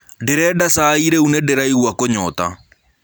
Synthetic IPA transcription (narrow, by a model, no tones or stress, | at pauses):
deɾɛdasaiɾeunedeɾaiɣwakoɲɔːta̰